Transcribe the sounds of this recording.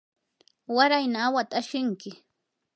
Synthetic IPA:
waɾajnaːwat̪ʼaʃɪŋkɪ

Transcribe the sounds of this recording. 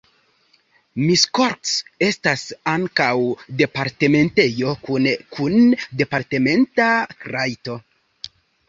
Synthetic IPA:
misko̞ɾtse̞stasaŋkawde̞paɾte̞me̞nte̞jo̞kunkʰunde̞paɾte̞me̞ntakɾajto̞

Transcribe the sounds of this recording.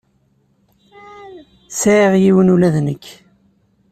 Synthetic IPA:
sæʁjiwənulæðnəkː

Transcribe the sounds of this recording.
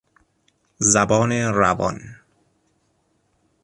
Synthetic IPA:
zabɒːneɾavɒ̰n

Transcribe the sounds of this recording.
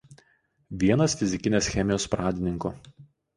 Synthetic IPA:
ʋʲiɛnɐsfʲɪzʲɪkʲɪnʲeːsxʲɛmʲɪjoːspɾɑːd̪ʲɪnʲɪŋkʊ

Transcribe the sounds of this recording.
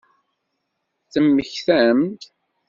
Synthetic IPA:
θəmːəçθæmt̪

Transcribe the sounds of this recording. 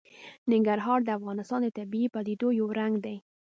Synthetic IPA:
nɪŋɡaɾɦɑɾd̪əafɣɑnɪst̪ɑnd̪ət̪abiipɑd̪id̪ojawɾaŋɡd̪aj

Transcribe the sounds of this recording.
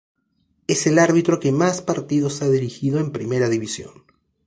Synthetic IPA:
e̞se̞laɾβit̪ɾo̞ke̞maspaɾt̪iðo̞saðiɾixið̞o̞empɾime̞ɾaðiβisjo̞̰n

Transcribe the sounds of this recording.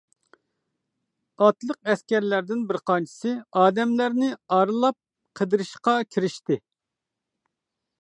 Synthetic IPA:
ɑt̪lˠəq̚ɛskʲɛɾlæɾd̪ɪnbɪɾqʰɑnt͡ʃʰi̥sɨɑːd̪ɛmlæɾnɪɑɾɨlˠɑp̚ | qʰəd̪ɨɾɨʃqɑkʲʰiɾɪʃt̪ɪ

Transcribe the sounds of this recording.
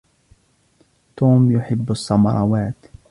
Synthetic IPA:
t̪uːmjʊħɪbːʊsˤːɑmɑ̰ɾˤɑwaːt̪

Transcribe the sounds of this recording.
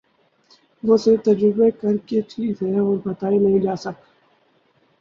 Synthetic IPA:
ʋoset̪ɐd͡ʒɾɪbekɐɾkeʈʰiːkɦɛɔːɾbɐt̪aːinɐɦĩd͡ʒaːsɐk

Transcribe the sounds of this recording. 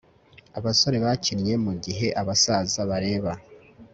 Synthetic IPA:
aβaso̞ɾe̞βacinje̞muɟiɦe̞ʔaβasaːzaβaɾe̞ːβa

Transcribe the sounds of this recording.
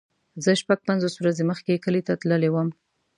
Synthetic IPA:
zəʃpaɡ̚panzoswɾazeməxkekəlet̪at̪ləlewəm

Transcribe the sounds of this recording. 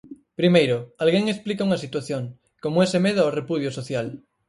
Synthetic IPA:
pɾimejɾoalɣeŋesplikauŋasit̪waθjoŋ | komoesemeðoorepuð̞josoθjal

